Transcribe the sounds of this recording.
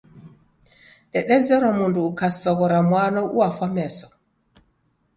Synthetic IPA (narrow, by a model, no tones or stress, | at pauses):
ɗɛɗɛzɛɾɔmunduːkasɔɡɔɾamwanɔʔṵwafamɛsɔ̥